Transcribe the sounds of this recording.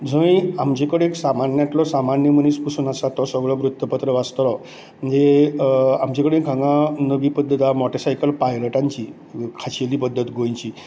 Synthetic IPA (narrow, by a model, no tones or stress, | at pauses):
d͡zʱə̃jamd͡ʑekəɽeːksamanjaʈlɔsamanjəmənispusunasat̪ɔsəɡɭɔʋɾut̪ːəpət̪ɾəʋast̪lɔ | məd͡ʑe | amd͡ʑekəɽẽkʰãŋɡãnəʋiːpəd̪ʱːət̪amɔʈesajkəlpajləʈaɲt͡ɕi | kʰaɕeliːpəd̪ʱːət̪ɡʱojt͡ɕiː